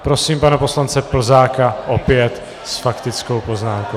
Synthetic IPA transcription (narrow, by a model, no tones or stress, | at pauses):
pɾo̞siːmpanɛpo̞slant͡sɛpl̩zaːkaʔopɪjɛt̪ | sfakt̪ɪt͡sko̞wpo̞znaːmko